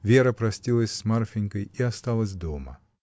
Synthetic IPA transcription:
vʲeɾəpɾɐsʲtʲilˠəsʲsmarfʲɪnʲkəjiɐst̪alˠəsʲd̪omə̰

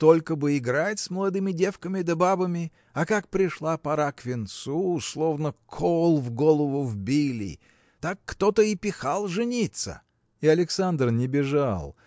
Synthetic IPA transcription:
t̪o̞lʲkəbɨɪɡɾatʲsməlˠɐd̪ɨmʲɪdʲe̞fkəmʲɪd̪ɐbabəmʲɪ | ɐkakpɾʲɪʂlˠapɐɾakvʲɪnt̪suːslˠo̞vnəkʰolˠvɡolˠəvʊvbʲilʲɪ̰ | t̪akːt̪ot̪əɪpʲɪxalˠʐɨnʲit̪sə̰ | ɪɐlʲɪksand̪rnʲɪbʲɪʐalˠ

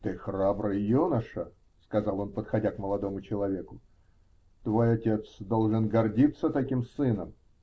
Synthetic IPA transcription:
t̪ɨxrabɾɨjjunəʂə | skɐzɑlˠo̞npət̪xɐdʲakməlˠɐd̪o̞mʊt͡ɕɪlˠɐvʲe̞kʊ | t̪vo̞jɐtʲe̞t̪sd̪o̞lˠʐɨnɡɐrdʲit̪sːət̪ɐkʲimsɨnəm

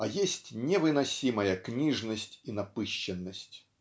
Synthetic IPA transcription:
ajesʲtʲnʲɛvɨnasʲimɐjɐknʲiʐnəsʲtʲinapɨɕːɛnːəsʲtʲ

